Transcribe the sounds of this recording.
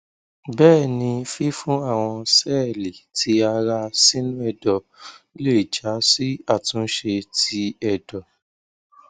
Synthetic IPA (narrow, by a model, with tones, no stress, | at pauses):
bɛː˦˨nĩ˧fi˦fũ˦a˦˨w̃ɔ̃˧sɛː˦li˨tʰi˨˦a˧ɾa˧si˦nũ˦ɛ˦˨dɔ˨˦ | le˦˨d͡ʒa˨˦si˦a˦˨tũ˨˦ʃe˧ti˦ɛ˦˨dɔ˨